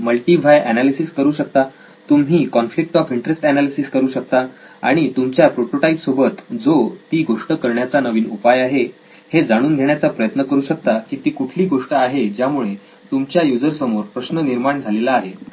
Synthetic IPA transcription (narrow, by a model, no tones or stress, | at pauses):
məlʈiːbʱajʔænalisiskəɾuːɕək̚t̪a | t̪umɦiːkɔnflik̚ʈɔfiɳʈɾesʈænalisiskəɾuːɕək̚t̪a | a̰ɽ̃it̪umt͡ɕjapɾoʈoʈaipsobʱət̪d͡zot̪iːɡoʂʈəkəɾɳjat͡sanəʋiːnupajaɦe | hed͡zaɽ̃uːnɡʱeɳjat͡sapɾəjət̪nəkəɾuːɕək̚t̪akiːt̪iːkuʈʰliːɡoʂʈəaɦed͡ʑjamuɭe | t̪umt͡ɕjajud͡zəɾsəmoɾpɾəɕnəniɾmaɳd͡zʱalelaːɦe